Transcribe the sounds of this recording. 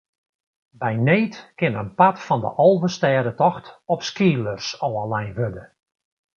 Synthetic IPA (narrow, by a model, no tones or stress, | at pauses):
bɛjneːtkɪnənpatfɔndə̰ʔɔlˠvəstɛːdətɔxtɔpskiːlˠərsɔːalɛjnɦødə